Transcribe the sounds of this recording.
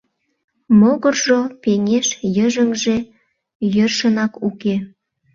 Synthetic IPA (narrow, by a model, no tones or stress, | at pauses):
moɣərʒopeŋeʃjəʒəŋʒe | jørʃənɑkuke